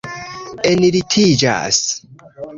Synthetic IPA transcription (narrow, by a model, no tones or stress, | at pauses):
eniɾitʰid͡ʒa̰s